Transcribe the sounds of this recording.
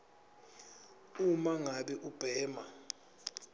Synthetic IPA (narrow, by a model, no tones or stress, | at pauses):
umaŋaɓɛʔub̥ʱɛːma